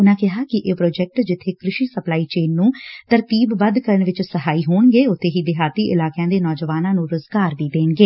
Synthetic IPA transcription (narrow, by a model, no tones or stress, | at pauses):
ʊnãːkɪɦaːkɪʔeːpɾoːd͡ʒɛk̚ʈd͡ʒɪt̪ʰːeːkɾɪʃiːsəplaːiːt͡ʃeːnːũːt̪əɾt̪iːbːəd̪kəɾəɳʋɪt͡ʃsəɦaːiːɦoːɳɡeːʊt̪ʰːeːɦiːd̪ɪɦaːt̪iːʔɪlaːkjãːd̪eːnɔːd͡ʒəʋaːnãːnũːɾʊzɡaːɾd̪iːd̪eːɳɡeː